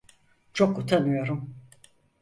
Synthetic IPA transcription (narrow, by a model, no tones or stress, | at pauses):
t͡ʃʰokːut̪ʰanɯjo̞ɾum